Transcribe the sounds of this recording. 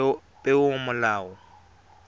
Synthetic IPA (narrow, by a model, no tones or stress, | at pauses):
pʼɛʊmʊlaːɔ